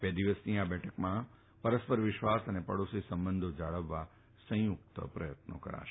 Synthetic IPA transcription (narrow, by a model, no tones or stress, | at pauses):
bed̪iʋəsniabɛʈʰəkmã | pəɾəspəɾʋɪʃʋasənepəɽosisəmbənd̪ʱod͡ʒaɭəʋːa | sə̃juk̚t̪əpɾəjət̪̚no̰kə̰ɾa̰ʃe̥